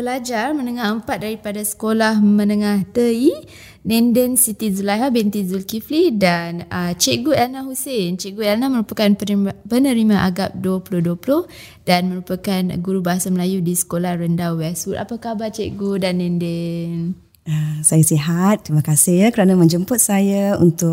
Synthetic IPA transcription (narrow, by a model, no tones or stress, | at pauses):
bəlad͡ʒarmənəŋahəmpat̪̚daɾipadasə̥kolahmə̃nəŋaht̪əi | nɛ̃ndɛnsit̪izulaɦabɛnt̪izulkiflidanət͡ʃeʔɡuɛlnaɦusent͡ʃeʔɡuɛlnaməɾupakanpənəɾimãʔaɡap̚duəpulohduəplʊh | danməɾupakanɡuɾubaɦasaməlajudisə̥kolahrəndawwɛlsuta̰pakabat͡ʃeʔɡudanːɛ̃ndɛn | əsajasiɦat̪̚ːɾimãkasɪkəɾanamə̃ɲd͡ʒəmpʊt̪̚sajaṵnt̪ʊk